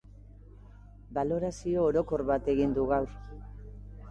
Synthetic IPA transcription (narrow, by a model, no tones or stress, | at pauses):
balo̞ɾasio̞ːɾo̞ko̞ɾβat̪e̞ɣind̪uɣaw